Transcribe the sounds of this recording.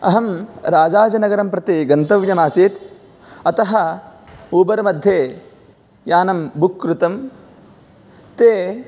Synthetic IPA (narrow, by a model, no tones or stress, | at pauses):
ɐɦɐmɾaːd͡ʒaːd͡ʒɐnɐɡɐɾɐmpɾɐt̪iɡɐnt̪ɐʋjɐmaːsiːt̪ | ɐt̪ɐɦɐ | uːbɐɾɐmɐd̪ʱjeː | jaːnɐmbukːɾut̪ɐm | t̪eː